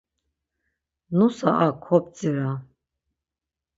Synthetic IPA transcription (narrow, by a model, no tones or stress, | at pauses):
nusa̰ʔakʰɔp̚t͡sʼiɾa